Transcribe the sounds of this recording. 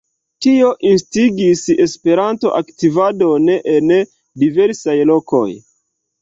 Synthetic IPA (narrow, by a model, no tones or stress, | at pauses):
tio̞ʔinstiɡise̞spe̞ɾanto̞̰ʔaktivado̞neʔen | dive̞ɾsajlo̞ko̞̰j